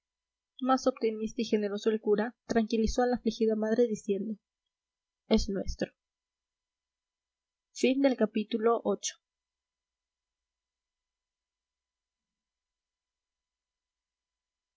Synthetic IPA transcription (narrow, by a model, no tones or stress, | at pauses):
maso̞p̚t̪imist̪aixe̞ne̞ɾo̞soe̞lkuɾat̪ɾaŋkilisoalaːflixiðamað̞ɾe̞ðisje̞nd̪o̞ | esnwe̞st̪ɾo | find̪e̞lkapit̪ulo̞ʔot͡ʃo̥